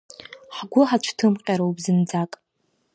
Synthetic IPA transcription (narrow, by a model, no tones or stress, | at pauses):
ħɡʷʊħat͡ʃʷʰtʰɨmqʲʼaɾaubzɨnd͡zakʼ